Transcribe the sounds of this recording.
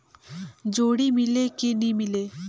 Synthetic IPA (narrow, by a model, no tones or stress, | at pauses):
d͡ʒoːɽimɪlekinĩmɪleː